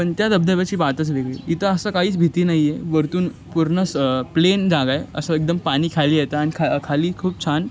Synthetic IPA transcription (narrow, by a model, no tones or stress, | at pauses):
pəɳt̪jad̪əb̚d̪ʱəʋat͡ɕiːʋat̪ət͡sʋeɡɭḛːit̪əəsəkaɦiːt͡sbʱit̪iːnaɦijeʋəɾt̪uːn | puɾɳəsplend͡zaɡaeə̰səek̚d̪əmpaɽ̃iːkʰaliːjet̪aːnikʰakʰaliːkʰuːp̚t͡ɕʰan